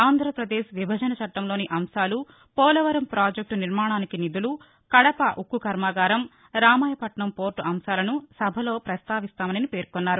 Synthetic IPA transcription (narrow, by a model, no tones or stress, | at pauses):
aːnd̪ʱɾɐpɾɐd̪eːʃʋibʱɐd͡ʒɐnɐt͡ʃɐʈːɐmlo̞ːniʔɐmsaːlu | pɔːlɐʋɐɾɐmpɾaːd͡ʒek̚ʈuniɾmaːɳaːnikinid̪ulu | kɐɽɐpɐʔukːukɐɾmaːɡaːɾɐm | ɾaːmaːjɐpɐʈɳɐmpo̞ːɾʈuʔɐmsaːlɐnusɐbʱɐlo̞ːpɾɐst̪aːʋist̪aːmɐnɐnipe̞ːɾkonːaːɾu